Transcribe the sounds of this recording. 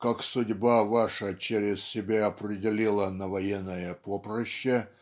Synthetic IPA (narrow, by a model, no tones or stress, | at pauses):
kaksʊdʲbavaʂət͡ɕeɾʲɪssʲɪbʲaɐpɾʲɪdʲɪlʲilˠənəvɐjenːəjəpopɾəɕːə